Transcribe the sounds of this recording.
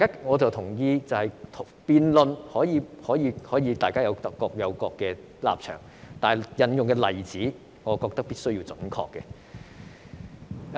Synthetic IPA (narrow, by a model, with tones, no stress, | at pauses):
a˨jkaː˥ŋɔː˨˧t͡sɐ˨wt̪ʰʊ˨˩ŋjiː˧t͡sɐ˨whɐ˨jt̪ʰpiː˨nlɵ˨nhɔː˨˥jiː˨˧hɔː˨˥jiː˨˧hɔː˨˥jiː˨˧t̪aː˨jkaː˥jɐ˨˧wɐkɔː˧k̚jɐ˨˧wkɔː˧kːɛ˧ | la̰ː˨p̚t͡ʃʰœ̰ː˨˩ŋ | t̪aː˨˩jjɐ˨njʊ˨ŋkɛ˧lɐ˨˩jt͡siː˨˥ | ŋɔː˨˧kɔː˧k̚t̪ɐ˥k̚piː˥t̚sɵ˥ɥjiː˧wt͡sɵ˨˥nkʰɔ̰ː˧kːɛ˧